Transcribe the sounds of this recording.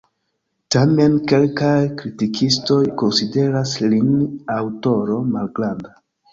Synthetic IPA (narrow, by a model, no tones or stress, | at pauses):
tame̞nke̞lkajkɾitikʰisto̞jko̞nside̞ɾaslinawto̞ɾo̞malɡɾanda